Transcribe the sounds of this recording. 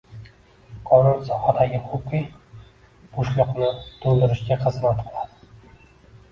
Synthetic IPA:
qʰɒnʊnsɒhad̪aɡʲɪqʰoqːi | b̥oʃlˠʊqnɪt̪ʰolˠd̪ɪɾɪʃɡʲaχɨzmat̪qʰɨlˠad̪̥ɪ

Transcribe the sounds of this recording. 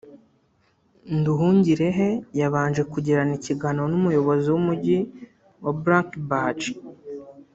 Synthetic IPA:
nduɦuːɲɟiɾe̞ɦe̞jaβaːnʒe̞kuɟiɾaniciɡanonumujo̞βo̞ziwumuɟi | wʔabɾaːŋkbat͡ʃ

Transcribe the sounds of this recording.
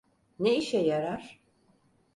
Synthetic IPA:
neiʃɛjaɾaɾ̥

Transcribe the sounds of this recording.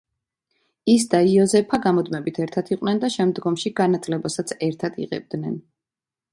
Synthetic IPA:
is̬d̪aiɔzɛpʰaɡamɔd̪mɛbit̪ʰɛɾt̪ʰat̪ʰiqʼnɛnd̪aʃɛmd̪ɡɔmʃiɡanat̪ʰlɛbasat̪sʰɛɾt̪ʰad̪ḭʁɛ̰b̚d̪nɛn

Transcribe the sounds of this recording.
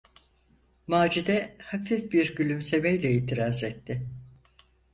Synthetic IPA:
maːd͡ʒid̪ɛhafifbiɾɟylʲymse̞mejlʲɛiːt̪ʰiɾaːzɛt̪ʰːɪ

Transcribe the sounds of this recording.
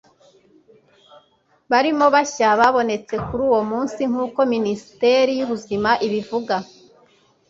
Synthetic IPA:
βaɾimo̞βaçaβaβo̞ne̞t͡se̞kuɾuːwo̞muːnsiŋ̥uːko̞minisi̥te̞ɾijuβuzimaʔiβivuɡa

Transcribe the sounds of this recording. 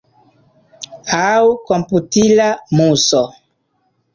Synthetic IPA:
awkomputilamuso

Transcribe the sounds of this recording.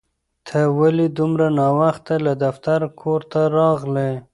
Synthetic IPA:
t̪ʰəwalid̪ʊmɾanɑwaxt̪alad̪aft̪aɾkʰoɾt̪aɾɑɣle

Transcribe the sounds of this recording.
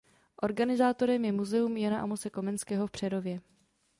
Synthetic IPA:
ʔo̞ɾɡanɪzaːt̪o̞ɾɛmjɛmuzɛumjanaʔamot͡sɛko̞mɛnskɛːɦo̞fpr̥ɛdo̞vjɛ

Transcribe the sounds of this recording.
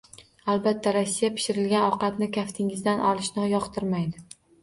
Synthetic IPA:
alˠbat̪ʰːaɾasːijapʰɪ̥ʃɪɾɪlɡʲanɒqɑt̪nɪkʲʰaft̪ʰɪŋɪzd̪anʔɒlˠɪʃnɪjɒqt̪ʰɪɾmajd̪ɪ

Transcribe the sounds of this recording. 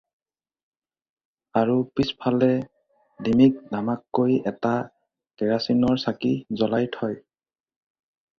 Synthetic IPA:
aɹupispʰalɛ | dimik̚namakːojɛta | tɛɹasinɔɹsakizɔlajtʰɔj

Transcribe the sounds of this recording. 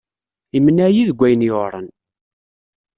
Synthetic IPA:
imənːæjiðɡʷæjənjɾˤə̰n

